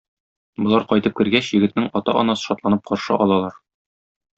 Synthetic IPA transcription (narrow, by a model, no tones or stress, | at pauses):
bŏlˠɑɾqɒjt̪ɤp̚kɘ̆ɾɡæɕjɘ̆ɡɘ̆t̪nɘŋɒt̪ɑʔɒnɑsɤ̥ʃɒt̪lˠɑnɤp̚qɒɾʃɤʔɒlˠɑlˠɑɾ